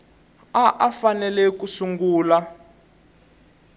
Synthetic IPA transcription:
aʔafanɛlɛkusuŋɡuːla

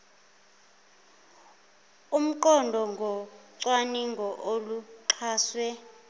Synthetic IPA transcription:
um̩ǃɔndʱɔŋɡʱɔǀwaniŋɡʱɔʔoluǃʰaːswɛ

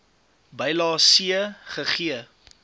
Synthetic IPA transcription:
bɐjlɑːsiəχəχiə

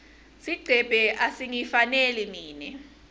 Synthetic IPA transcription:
siɡ͡ǀʱɛb̥ʱɛʔasiŋifanɛlimiːnɛ

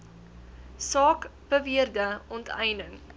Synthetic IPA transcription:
sɑːkb̥əviərdəɔntʰɛjnəŋ

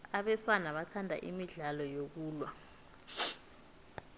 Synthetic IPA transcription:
aɓɛswanaɓatʰandʱa̰ʔimiɮalɔjok̬uːlwa

